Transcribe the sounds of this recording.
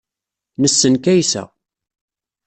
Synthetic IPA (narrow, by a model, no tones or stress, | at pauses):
nəsːənkæjsæ̰